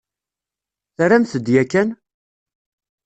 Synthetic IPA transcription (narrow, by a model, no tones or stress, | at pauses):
θɾæmθəd̪jækːæn